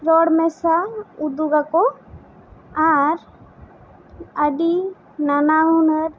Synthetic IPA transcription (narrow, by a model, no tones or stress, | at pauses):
ɾɔɽmɛsaud̪uɡako | aɾ | əɖi | nanaunəɾ